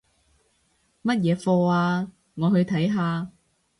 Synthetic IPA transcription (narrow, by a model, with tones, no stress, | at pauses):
mɐ˥t̚jɛː˨˧fɔː˧aː˧ | ŋɔː˨˧hɵ˧ɥt̪ʰɐ˨˥jɦaː˧